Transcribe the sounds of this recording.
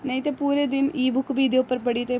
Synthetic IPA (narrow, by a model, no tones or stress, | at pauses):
nɐjit̪epuːɾeːd̪inʔiːbʱʊkːʋiːd̪ʱijopːɐɾpɐɽit̪e